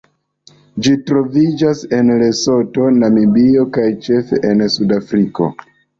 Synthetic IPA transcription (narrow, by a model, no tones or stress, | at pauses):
d͡ʒitɾo̞vid͡ʒase̞nle̞so̞to̞namibio̞kajt͡ʃe̞fe̞̰ʔensudafɾiko̞̰